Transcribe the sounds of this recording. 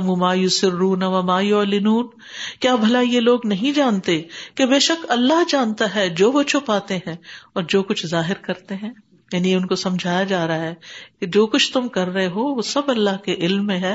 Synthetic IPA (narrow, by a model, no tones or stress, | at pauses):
ɐmũmaːjʊsɪɾːuːnɐʋamaːjʊlɪnuːn | kjaːbʱɐlajeloːɡnɐɦĩd͡ʒaːnt̪ekebeːʃɐkɐlːaɦd͡ʒaːnt̪aɦɛd͡ʒoːʋot͡ʃʰʊpaːt̪eɦɛ̃ɔːɾd͡ʒoːkʊt͡ʃʰzaːɦɪɾkɐɾt̪eɦɛ̃ː | jaːnieʊnkosɐ̃md͡ʒʱaːjad͡ʒaːɾɐaɦɛːked͡ʒoːkʊt͡ʃʰt̪ʊmkɐɾːɐɦeɦoːʋosɐbɐlːaɦkeʔɪlmːẽɦɛː